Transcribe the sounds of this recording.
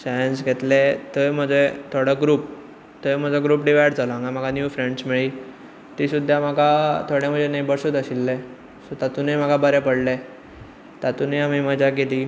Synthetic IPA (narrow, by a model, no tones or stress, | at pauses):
sajənsɡʱet̪let̪əjm̤əd͡zet̪ʰoɽəɡɾuːp̚ | t̪əjm̤əd͡zəɡɾuːpɖiʋajɽd͡zaləŋɡam̤aɡanjuːfɾeɳɖsmiɭiː | t̪isud̪ʱjaməɡat̪ʰoɽem̤əd͡zenebəɽsut̪əɕilːe | sɔt̪at̪unemaɡabəɾepəɽle | t̪at̪uneamiməd͡ʑaɡeliː